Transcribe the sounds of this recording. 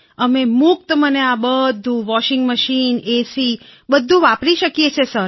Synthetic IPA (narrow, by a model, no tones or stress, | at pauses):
əmemʊk̚t̪əməneabəd̪ʱːũʋɔʃɪŋɡməʃinesibəd̪ʱːũʋapɾiʃəkjet͡ʃʰesəɾ